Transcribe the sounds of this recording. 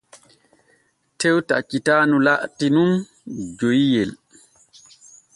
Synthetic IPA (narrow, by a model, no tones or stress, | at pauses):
tewtat͡ʃːitaːnulaʔtinum | d͡ʒojijɛl